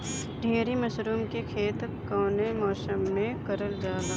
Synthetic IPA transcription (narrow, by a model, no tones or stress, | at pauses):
ɖʱeːɾimɐʃɾuːmkekʰeːt̪ | kɔːnemɔːsəmːẽkɐɾəld͡ʒaːlaː